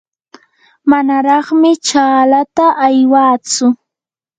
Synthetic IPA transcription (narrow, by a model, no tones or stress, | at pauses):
manaɾɑχmɪt͡ʃaːlat̪aʔːjwaːt͡sʊ